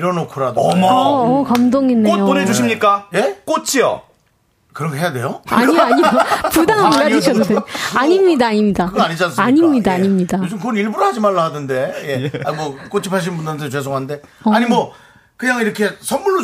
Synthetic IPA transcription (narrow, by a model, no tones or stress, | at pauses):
ɾʌnokʰuɾadoʌkʌmdoŋinːejooned͡ʑuɕʰimɲik͈aje̞k͈ot͡ɕʰijʌ̰ | kɯɾʌŋkʰeɦejade̞joa̰ɲiaɲipudaŋɦamɡad͡ʑiɕʰʌdodeaɲimɲidaaɲimɲidakɯɡʌaɲid͡ʑansaɲimɲidaːɲimɲidat͡ɕomkɯɡʌniɭbuɾhad͡ʑimaɭːaɦadɯnde̞je̞a̰mwʌk͈ot͡ɕʰipʰaɕ̬ʰinmbundɯɾdɯt͡ɕwe̞s̬ʰoŋɦannde̞ʌaɲimwʌ | kɯɲaŋiɾʌkʰe̞sʰʌnmuɭːo